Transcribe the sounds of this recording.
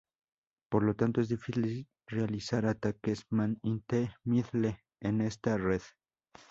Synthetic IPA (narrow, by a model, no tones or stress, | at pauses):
po̞ɾlo̞t̪ant̪o̞e̞zðifisi | realisaɾat̪akesmanint̪emiðle | ene̞st̪are̞ð